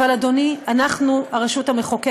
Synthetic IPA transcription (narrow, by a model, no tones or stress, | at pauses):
alad̪onianaχnuaʁeʃuthameχoke